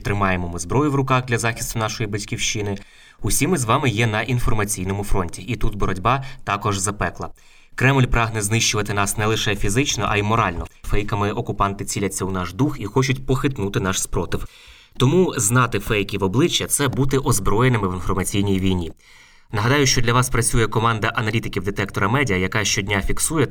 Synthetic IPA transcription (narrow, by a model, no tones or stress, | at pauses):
t̪ɾɪmɑjemɔmɪzbɾɔjʊʋɾʊkɑxd̪lʲɐzɑxʲi̥st̪ʊnɑʃɔjibɐtʲkʲiwʃt͡ʃɪnɪ | ʊsʲimɪzʋɑmɪjɛnɐʔinfɔrmɐt͡sʲijnɔmʊfɾɔnʲtʲiʔit̪ut̪bɔɾɔdʲbɑt̪ɑkɔʒzɐpɛklˠɐ | kɾɛmlʲpɾɑɦn̪ɛznɪʃt͡ʃʊʋɐt̪ɪnɑsnɛlˠɪʃɛfʲizɪt͡ʃnɔʔɐ̰imɔɾɑlʲnɔfɛjkɐmɪʔɔkʊpɑnt̪ɪt͡sʲilʲɐt͡sʲːɐwnɑʒd̪uxixɔt͡ʃʊtʲpɔxɪt̪nut̪ɪnɑʃspɾɔt̪ɪw | t̪ɔmuznɑt̪ɪfɛjkʲiʋɔblˠɪt͡ʃːɐt̪sɛbut̪ɪʔɔzbɾɔjenɪmɪʋɪnfɔrmɐt͡sʲijnʲijʋʲijnʲi | nɐɦɐd̪ɑjʊʃt͡ʃɔdlʲɐʋɑspɾɐt͡sʲujɛkɔmɑnd̪ɐʔɐnɐlʲit̪ɪkʲiwd̪et̪ɛkt̪ɔɾɐmɛdʲiɐjɐkɑʃt͡ʃɔdʲnʲafʲiksujɛ